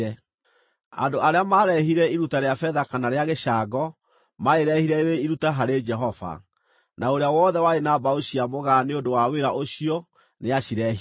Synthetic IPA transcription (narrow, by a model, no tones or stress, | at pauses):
ɛ | a̰ndoaɾeamaːɾɛɦiɾɛiɾutaɾeafɛðakanaɾeaɣeʃaɡɔ | maeɾɛhiɾɛɾeiɾutaɦaɾed͡ʒɛɦɔva̰ | nʔaoɾeawɔːðɛwaenabaoɕiamoɣaneodowaweɾaʔoɕiɔ | neaɕiɾɛɦ